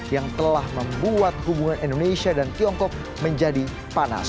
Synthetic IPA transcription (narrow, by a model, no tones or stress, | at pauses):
jaŋt̪əlahməmbuat̪̚hubuŋanindonesiadank̪iɔŋkɔk̚ | məɲd͡ʒadi | pana̰